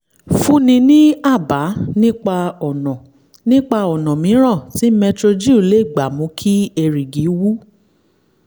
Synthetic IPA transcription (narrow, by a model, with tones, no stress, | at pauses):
fũ˦nĩ˧nĩ˦a˦˨ba˨˦nĩ˦k͡pa˧ɔ˨nɔ̃˨ | nĩ˦k͡pa˧ɔ˨nɔ̃˨mĩ˨˦ɾ̃ã˦˨ti˨˦mɛ˧tɾo˧d͡ʒi˦u˨˦le˦i˦˨ɡ͡ba˨mũ˨˧˦kʰi˦e˧ɾi˨ɡi˨˦wu˦